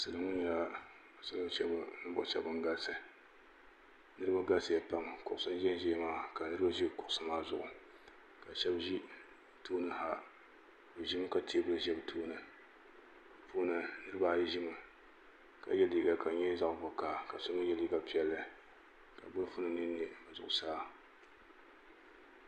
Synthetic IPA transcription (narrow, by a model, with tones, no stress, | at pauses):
sɨ˨lɨ˦ŋɨ˦n˦a˦˨ | sɨ˦lɨ˦ʃɛ˦bnɨ˦bʊ˨˦ʃɛ̰˦bɨ˨ŋ˦ɡa˦sɨ˨ | nɨ˦ɾɨ˦ba˦ɡa˦sɨ˨ja˨pa˦mkʊ˨ʔʊ˨sɨ˦n˦ʒɛ˦n˦ʒɛː˦maː˦˨ka˨nɨ˦ɾɨ˦ba˦ʒi˦kʊ˨ʔʊ˨sɨ˦maː˦zʊ˨ʔʊ˨ | ka˨ʃɛ˦bʒi˦ | toː˦nɨ˦ha˦ | bo˨ʒi˦mɨ˦ka˨tʰe˦bʊ˦ʒɛ˦btʰoː˦nɨ˨ | fo˦nɨ˨nɨ˦ɾɨ˦ba˦ʒi˦mɨ˨ | ka̰˨jɛ˦liː˦ɡa˨ka˨ɲɛ˦za˦ʔbʊ˨kaː˨ka˨so˦nɨ˦jɛ˦liː˦ɡa˨pi˨ɛ˨lːɨ˦ | ka˨bʊ˦lfʊ˦nɨ˦nɨ˦n˦ba˨zʊ˨ʔʊ˨saː˦